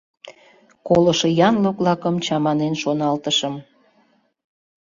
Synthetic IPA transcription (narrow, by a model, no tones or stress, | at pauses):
koləʃɤjɑnlok̚lɑkəmt͡ɕɑmɑnenʃonɑlt̪əʃəm